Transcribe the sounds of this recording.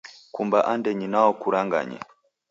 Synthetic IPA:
kumbaʔandɛɲinaɔkuɾaŋɡa̰ɲɛ̰

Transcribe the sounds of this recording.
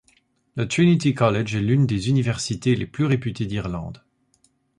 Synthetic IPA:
lət̪χinit̪ikɔlɛʒɛlynd̪ezynivɛʁsit̪eleplyʁepyt̪ed̪iʁlɑ̰̃d̪

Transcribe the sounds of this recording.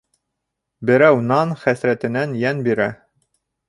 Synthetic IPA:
bɘ̆ɾæwnɑnχæθɾæt̪ɘ̆nænjænbiɾæ

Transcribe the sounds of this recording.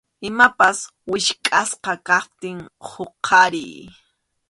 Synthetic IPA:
ɪmapas | wɪʃkʼasqɑkɑχ̚t̪ɪŋhoqʰɑɾij

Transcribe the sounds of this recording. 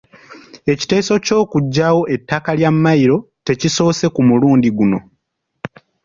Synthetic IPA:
e̞ci̥te̞ːso̞co̞ːkuɟːawo̞ʔe̞tːakaljamːajiɾo̞ | te̞ciso̞ːse̞kumuluːndiɡuno

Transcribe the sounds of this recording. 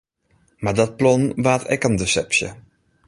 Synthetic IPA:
maɹdɔt̚plɔnʋaːtʰɛ̰kəndəsɛpsjə̰

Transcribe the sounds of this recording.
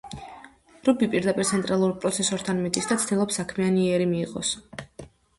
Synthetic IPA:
ɾubipʼiɾd̪apʼiɾt̪sʰɛnt̪ʼɾalˠuɾpʼɾɔt̪sʰɛsɔɾt̪ʰanmɛt̪ʼisd̪at̪sʰt̪ʰilˠɔpsːakʰmianiɛɾimiːʁɔ̰s

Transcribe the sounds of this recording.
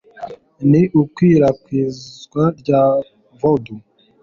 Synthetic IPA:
niʔukwiːɾakwiːzɡwaɾɟa | vodu

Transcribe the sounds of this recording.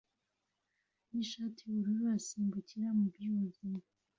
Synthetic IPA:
niʃaːtʰiuɾuɾuasiːmbuciɾamubɾiuzima

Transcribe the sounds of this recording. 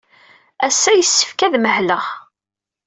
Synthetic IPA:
æsːæjəsːə̥fkæðməhləʁ

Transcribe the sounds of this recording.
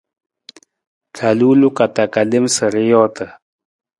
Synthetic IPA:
kʰaluːlukat̪akalimsəɾijoːt̪ə

